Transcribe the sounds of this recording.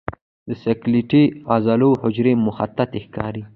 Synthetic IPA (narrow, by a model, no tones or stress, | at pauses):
d̪əsakliʈiɑzɑlohʊd͡ʒɾemʊxat̪ːat̪exkɑ̰ɾi